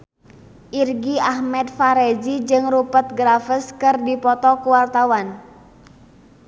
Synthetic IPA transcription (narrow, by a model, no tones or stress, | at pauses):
ʔirɡiahmɛt̪̚faɾed͡ʒid͡ʒɨŋrupət̪̚ɡɾafɪskɨrdipɔt̪ɔkuwart̪awan